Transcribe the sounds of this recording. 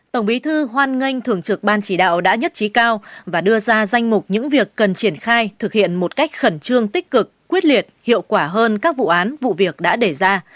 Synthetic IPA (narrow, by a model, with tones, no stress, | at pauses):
t̪ə˧˩wŋ͡mɓi˨˦t̪ʰɨ˧ɦwaː˧nŋə˧jŋ̟t̪ʰɨ˧˩əŋt͡ɕɨ˨˩k̚ɓaː˧nt͡ɕi˧˩ɗa̰ː˧˨wɗa̰ː˧˥ɲə˦˥t̚t͡ɕi˨˦kaː˧wvaː˨˩ɗɨ˧əzaː˧za˧jŋ̟mʊ˨˩k͡p̚ɲɨ̰˧˥ŋvi˨˩əkːə˨˩nt͡ɕi˧˩ənxaː˧jt̪ʰɨ˨˩k̚hḭ˧˨ənmo˨˩t̚ka˦˥jk̟̚xə˧˩nt͡ɕɨ˧əŋt̪ï˦˥k̟̚kɨ˨˩kːwi˦˥ət̚li˨˩ət̚hḭ˧˨əwkwaː˧˩ɦəː˧nkaː˦˥k̚vṵ˧˨ʔaː˨˦nvṵ˧˨vi˨˩ək̚ɗa̰ː˧˥ɗe˧˩zaː˧